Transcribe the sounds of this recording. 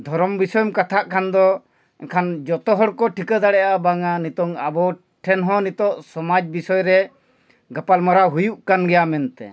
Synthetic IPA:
d̪ʱɔɾɔmbisɔjɔmkat̪ʰaʔkʰand̪ɔ | ɛkʰand͡ʒɔt̪ɔɦɔɽkɔʈʰikəd̪aɽɛjaabaŋanit̪ɔŋabɔ | ʈʰɛnɦɔ̃nit̪ɔʔsɔmad͡ʒbisɔjɾɛ | ɡapalmaɾaɦujuʔkanɡɛjamɛnt̪ɛ̰

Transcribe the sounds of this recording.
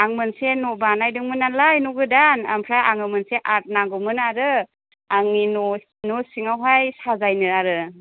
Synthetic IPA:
aŋmɯnsenɔbanajdɯŋmɯnalajnuɡɯdanampʰɾaʔaŋɯmɯnseʔat̚naɡɯmɯnaɾɯ | aŋinɔ | nɔsiŋawɦajsazajnɯɾaɾɯ

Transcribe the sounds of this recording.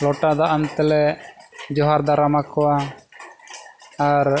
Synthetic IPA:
lɔʈad̪aʔant̪ɛlɛ | d͡ʒɔɦaɾd̪aɾamakɔwa | ɾ

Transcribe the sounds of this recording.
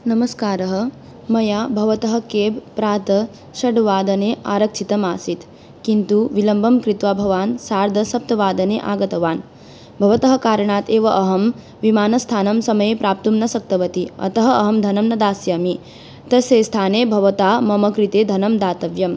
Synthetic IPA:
nɐmɐskaːɾɐɦɐ̆ | mɐjaːbʱɐʋɐt̪ɐɦɐ̆keːbpɾaːt̪ɐ | ʃɐɖʋaːd̪ɐneːʔaːɾɐkʂʰit̪ɐmaːsit̪ | kint̪uʋilɐmbʱɐmkɾit̪ʋaːbʱɐʋaːnsaːɾd̪ʱɐsɐp̚t̪ɐʋaːd̪ɐneːʔaːɡɐt̪ɐʋaːn | bʱɐʋɐt̪ɐɦɐkaːɾɐɳaːt̪eːʋɐʔɐɦɐm | ʋimaːnɐst̪ʰaːnɐmsɐmɐjepɾʔaːp̚t̪umnɐsɐk̚t̪ɐʋɐt̪iɐ̰t̪ɐɦɐɐɦɐmd̪ʱɐnɐmnɐd̪aːsjaːmi | t̪ɐseːst̪ʰaːneːbʱɐʋɐt̪aːmɐmɐkɾit̪eːd̪ʱɐnɐmd̪aːt̪ɐʋjɐm

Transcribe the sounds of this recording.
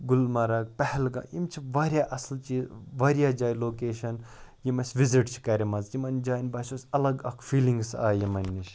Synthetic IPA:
ɡʊlmɐɾaːɡ̚pɛhɛlɡã̰ːjimt͡ʃʰiʋaːɾʲjaːʔɐslt͡ʃiːzʋaːɾjaːd͡ʒaːjloːkeːʃɐn | jimɐsʲʋiziʈt͡ʃʰi̥kɐɾʲimɐzjimɐnd͡ʒaːinbɐt͡ʃosʲɐlɐɡɐkʰfiːlĩŋɡsa̰ːjimɐnːiʃ

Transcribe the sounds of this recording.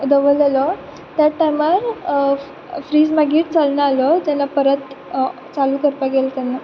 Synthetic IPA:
d̪əʋəlalɔ | t̪jaʈajmaɾ | fɾiːd͡zmaɡiːʈt͡salnaalɔd͡ʑɛnːapəɾət̪ | t͡saluːkəɾt̪aɡelt̪ɛnːa

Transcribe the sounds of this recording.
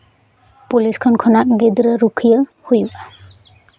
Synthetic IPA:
puliskʰɔnkʰɔnaʔɡid̪ɾəɾukʰijə | hujuʔa

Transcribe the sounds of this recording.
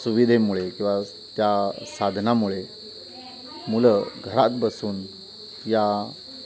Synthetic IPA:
suʋid̪ʱemuɭekĩw̃ʋa | t̪jasad̪ʱnamuɭe | muləɡʱəɾat̪bəsuːn | ja

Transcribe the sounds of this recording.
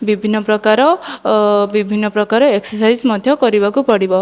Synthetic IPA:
bibʱinːɔpɾɔkaɾɔ | bibʱinːɔpɾɔkaɾɔeksɔsajzmɔd̪ʱjɔkɔɾibɔkupɔɽibɔ

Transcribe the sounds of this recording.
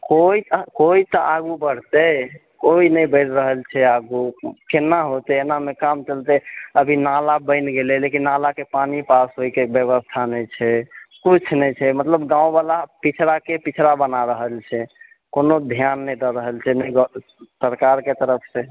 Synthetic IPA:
koit̪koit̪əʔaɡubəɽ̤t̪e | koinɛjbəɪɾɾəɦəlt͡ʃʰɛaɡukenːaɦot̪eːnamekamt͡ʃəlt̪eəbʱinalabə̃ɪnɡelelekinːalakepanipasɦojkebjeβəst̪ʰanɛt͡ʃʰɛkut͡ʃʰnɛjt͡ʃʰɛmət̪ləbɡãũbalapit͡ʃʰɾakepit͡ʃʰɾabənaɾəɦəlt͡ʃʰɛ | konod̪ʱjanːɛjd̪ɔɾəɦəlt͡ʃʰɛnɛjɡ | səɾkaɾket̪əɾəpʰse

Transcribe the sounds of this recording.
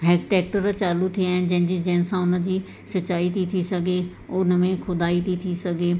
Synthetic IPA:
ɦɛːkʈɛːk̚ʈəɾt͡ʃaːlut̪ʰiɛ̃nd͡ʒẽːnd͡ʒid͡ʒɛ̃ːnsãʊnãd͡ʒiː | sət͡ʃːaːit̪ʰit̪ʰisəɡeː | onəʋẽkʰʊd̪aːiːt̪ʰiːt̪ʰisəɡeː

